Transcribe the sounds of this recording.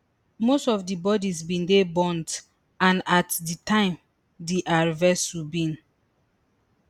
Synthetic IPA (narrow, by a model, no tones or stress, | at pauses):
mostɔvdibɔdizbĩndebɔ̃nt | ãnatditʰãɪ̃m | diʔaɹvɛstwibĩn